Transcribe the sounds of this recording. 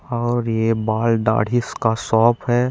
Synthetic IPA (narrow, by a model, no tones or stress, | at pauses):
ɔːɾjebaːlɖa̰ːɽ̤ɪskasɔːpʰɦɛː